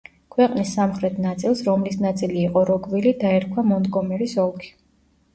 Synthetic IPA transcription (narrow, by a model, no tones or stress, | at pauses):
kʰwɛqʼnisːamχɾɛt̪ʰnat̪sʼilˠsɾɔmlisnat̪sʼiliːqʼɔɾɔɡvilid̪aɛɾkʰwamɔnd̪ɡɔmɛɾisɔlˠkʰi̥